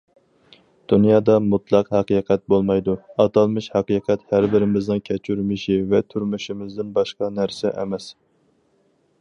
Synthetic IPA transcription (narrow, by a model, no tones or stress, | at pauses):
d̪̥unjɑːd̪ɑmut̪lˠɑqhæqiːqʰɛt̪̚bolˠmɑjd̪uɑt̪ɑlˠmɨʃhæqiqʰɛt̪hæɾbɪɾɪmɪznɪŋkʲʰɛt͡ʃʰyɾmɪʃivɛt̪ʰyɾmyʃɪmɪzd̪ɪnbɑʃqɑnæɾsɛʔɛ̰mɛs